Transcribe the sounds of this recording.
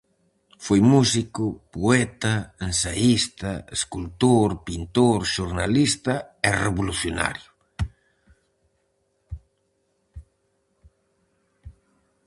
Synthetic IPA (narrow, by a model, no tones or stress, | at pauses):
fojmusikʊpoɛt̪ɐensaist̪ɐeskult̪oɾpint̪oɾʃuɾnalist̪ɐereβoluθjona̰ɾjʊ